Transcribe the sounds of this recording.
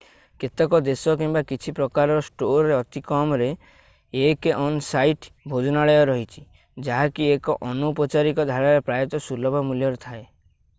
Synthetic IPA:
ket̪ɔkɔd̪esɔkimbakit͡ʃʰipɾɔkaɾɔɾɔsʈoɾɔɾeɔt̪ikɔmɔɾe | ekeʔɔnsajʈbʱod͡ʒɔnaɭɔjɔɾɔɦit͡ʃʰi̥ | d͡ʒaɦakiekɔʔɔnupɔt͡ʃaɾikɔd̪ʱaɭaɾepɾajɔt̪ɔsulɔbʱɔmuljɔɾet̪ʰae

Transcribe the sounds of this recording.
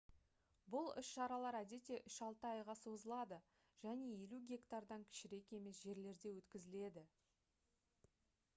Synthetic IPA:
bʊlˠʏʃʃɑɾɑlˠɑɾæd̪e̞t̪e̞ʔʏʃɑlˠt̪əɑjʁɑso̞zəlˠɑd̪ə | ʒ̥æne̞je̞luɡʲe̞kt̪aɾd̪ɑŋkʲʰɪ̥ʃɪɾe̞ke̞me̞sʒe̞ɾle̞ɾd̪e̞wɵt̪kʲɪzɪle̞d̪ɪ

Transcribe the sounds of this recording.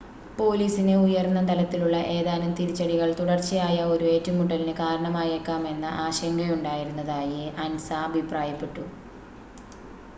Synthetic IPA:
po̞ːliːsinɨujɐrnːɐt̪ɐlɐt̪ːiluɭːɐʔe̞ːðaːnɐmt̪iɾit͡ɕːɐɽiɣɐɭt̪uɽɐrt͡ɕːijaːjɐo̞ɾue̞ːtːumːuʈːɐlinɨkaːɾɐɳɐmaːjekːaːme̞nːɐʔaːɕɐjɐŋːɐɭuɳɖaːjiɾunːɐðaːjɨɐnsɐɐbʱipraːjɐpːe̞ʈːu

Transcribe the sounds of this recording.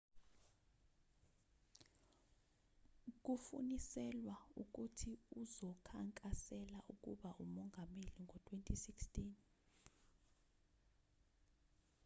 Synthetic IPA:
k̬ufṵnisɛlwauk̬utʰiuzɔkʰaŋkʼasɛlaʔuk̬ʼuɓaʔumɔŋɡʱameliŋʱɔtʰwentʼʰisikstʰʼin

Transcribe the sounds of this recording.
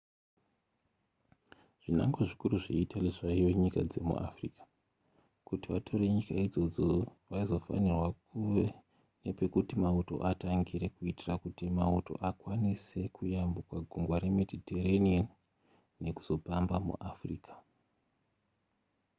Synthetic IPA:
ʐ̥ina̰ŋɡoʐikuruʐiitaleʐaiʋoɲikad͡ze̞mṵʔa̰frikḁ | kutiʋatʰo̞ɾeɲikaid͡zo̞d͡zo̞ʋaizo̞fa̰nirwakuʋe | ne̞pe̞kutimauto̞̰ʔataŋɡiɾe̞kuitirakutimauto̞̰ʔakwanise̞kujambukwaɡʱuŋɡwaɾe̞me̞dʱiteranien | ne̞ku̥z̥o̞pambamṵʔafriːkḁ

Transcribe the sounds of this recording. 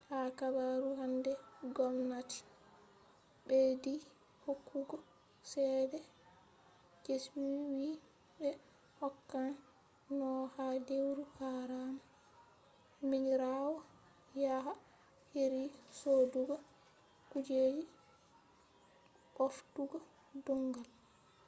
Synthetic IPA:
hakabaɾuɦandɛɡɔmnati̥ | ɓedi | hokʰːuɡɔ | sɛːdɛ | d͡ʒeswiwi | ɓɛ | hɔkːan | nɔhadewɾuhaɾama | miɲɾawɔ | jaɦa | heɾisoduɡɔ | kud͡ʒed͡ʒi | ɓofduɡɔ | duŋɡal

